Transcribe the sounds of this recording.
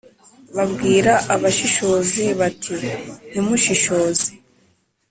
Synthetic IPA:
βabɡiːɾaʔaβaʃiʃo̞ːziβatʰinimuʃiʃo̞ːzi

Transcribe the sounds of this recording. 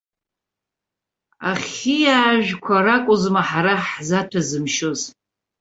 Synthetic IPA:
aχʲijaːʒᶣkʷʰaɾakʷʼʊzmaħaɾaħzatʷʰazɨmʃoz

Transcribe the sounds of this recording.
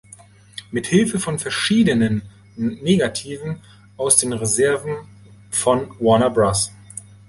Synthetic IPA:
mɪthɪlfəfɔnfɛɐʃiːdənənː | eːɡatʰiːvn̩ | aʊsd̥eːnʁezɛɐvn̩ | fɔnwɔnabʁas

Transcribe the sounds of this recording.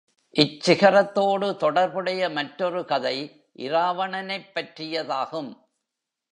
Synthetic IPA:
ʔɪt͡ʃːsɪɣɐɾɐt̪ːoːɽɯt̪ɔɽɐɾbɯɽɐjɐmɐʈɾɔɾɯkɐðɐɪ | ʔɪ̰ɾaːʋɐɳɐnɐɪpːɐʈrɪjɐðaːɣɯm

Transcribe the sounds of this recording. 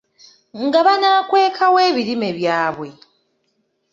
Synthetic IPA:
ŋɡaβanaːkwe̞ːkʰawe̞ːβiɾime̞βjaːβwe̞

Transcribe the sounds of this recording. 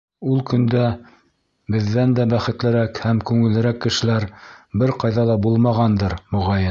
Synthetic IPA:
ulˠkɵ̆nd̪æ | bɘ̆ðːænd̪æbæχɘ̆t̪lɘ̆ɾækhæmkʉŋɘ̆lɘ̆ɾækːɘ̆ʃɘ̆læɾbɘɾqɑjðɑlˠɑbulˠmɑʁɑnd̪ɤɾmuʁɑj

